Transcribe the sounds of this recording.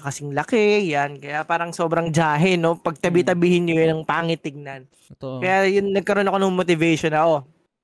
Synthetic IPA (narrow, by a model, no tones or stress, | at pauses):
kɐsɪŋlɐkɛjankɐjapaːɾɐŋso̞ːbɾɐŋd͡ʒaːɦɛno̞pɐɡ̚t̪ɐbit̪ɐbiːhɪnɲojɐnɐŋpaːŋɪt̪ːɪɡ̚nan | kɐjajʊnːɐɡ̚kɐɾo̞nɐko̞nɐŋmot̪ɪvɛjʃonɐʔo̞